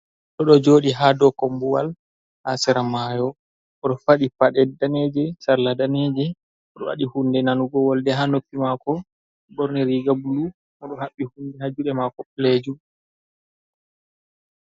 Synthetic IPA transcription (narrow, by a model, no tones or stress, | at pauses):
ɗɔɗɔd͡ʒoːɗiɦadɔkɔmbuwa̰l | ha̰sɛɾamajɔ | ʔɔɗɔfaɗipaɗɛdaned͡ʒɛsaɾladaned͡ʒɛ | ɔɗɔwa̰ɗihundɛnanuɡɔwaldɛɦanokːimakɔ | bɔɾniɾiɡabulu | mɔɗɔhaɓːihundɛhad͡ʒuɗɛmakɔpled͡ʒu